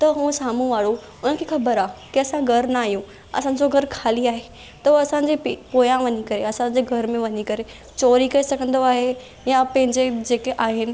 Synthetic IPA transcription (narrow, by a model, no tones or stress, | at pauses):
t̪ɐɦũːsaːm̤ũʋaːɽo | ʊnənkʰexɐbəɾaːkiɐsãɡʱɐɾnaːɦjũ | ɐ̰sãːd͡ʑoɡʱɐɾkʰaːliaːɦe | t̪ɐɐsãːd͡ʑepipoːjãʋɐɲikɐɾeɐsãɲd͡ʑeɡʱɐɾmẽʋɐɲikɐɾe | t͡ɕoːɾikɐɾisɐɡʱə̃nd̪oaːɦe | jãpɐ̃ɦɪ̃ɲd͡ʑed͡ʑeːkeʔaːɦɪnɪ̆